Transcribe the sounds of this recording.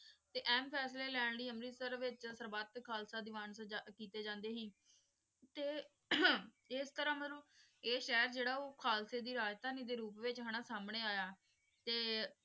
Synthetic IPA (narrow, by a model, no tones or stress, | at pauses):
t̪eːʔɛːmpʰɛːsleːlɛːɳɽiːəmɾiːsəɾʋɪt͡ʃsəɾbaːt̪kʰaːlsaːd̪iːʋaːnskiːt̪eːd͡ʒãːnd̪eːɦiː | t̪eː | ɪst̪əɾãːmənũː | eːʃɛːɾd͡ʒeːɽaːoːkʰaːlseːd̪iːɾaːd͡ʒt̪aːnĩːd̪eːɾuːpʋɪt͡ʃɦəɽ̃aːsaːmɳeːaːjaː | t̪eː